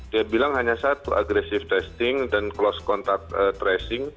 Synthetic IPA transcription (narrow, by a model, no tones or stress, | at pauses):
diabilaŋhaɲasat̪uʔa̰ɡɾɛsɪft̪ɛst̪ɪŋdanklɔskɔnt̪ak̪̚ət̪ɾɛsɪŋ